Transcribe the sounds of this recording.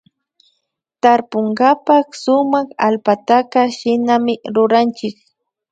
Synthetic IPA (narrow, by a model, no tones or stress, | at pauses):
t̪aɾpʊŋɡapaksʊmakalpat̪akaʃɪnamɪɾʊɾant͡ʃɪk